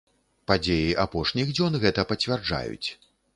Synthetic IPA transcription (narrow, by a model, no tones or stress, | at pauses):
pad͡zʲejiʔapɔʂnʲiɣd͡zʲɔnɣɛt̪ɐpɐt͡sʲvʲard͡ʐa̰jṵt͡sʲ